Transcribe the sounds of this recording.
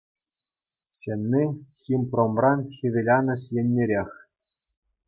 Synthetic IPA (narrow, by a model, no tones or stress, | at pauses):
ɕenʲːixʲimpromrɑnxʲiʋʲelʲɑnɤ̆ɕjĕnʲːeɾʲexʲ